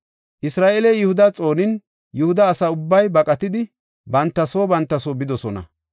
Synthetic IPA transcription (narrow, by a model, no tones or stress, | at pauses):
ʔɪsɾaːʔeːlɛjʊhʊd̪ɐt͡sʼo̞ːnɪn | jʊhʊd̪ɐːsɐʊbːɐjbɐkʼɐt̪ɪd̪ɪ | bɐnt̪ːɐsoːbɐnt̪ːɐsoːbɪd̪ɔsɔnɐ̰